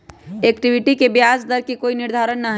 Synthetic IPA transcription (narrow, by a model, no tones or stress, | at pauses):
eːkʈiʋɪʈikebjaːsd̪əɾkikoːinɪɾd̪ʱaːɾənːaɦ